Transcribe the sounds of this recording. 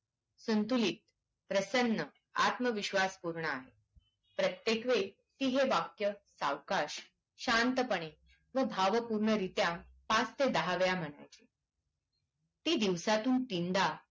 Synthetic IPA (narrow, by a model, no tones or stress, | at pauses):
sunt̪ulit̪̚ | pɾəsənːə | a̰t̪məʋiɕʋaspuɾɳəaɦe | pɾət̪jekʋe | t̪iɦeʋakjəsa̰ʋkaɕ | ɕant̪əpəɳ̃e | ʋəbʱaʋəpuɾɳəɾit̪jã | pãst̪ed̪əɦaʋjam̤əɽ̃a̰jt͡ɕi | t̪iːd̪iʋsat̪ũnt̪ind̪a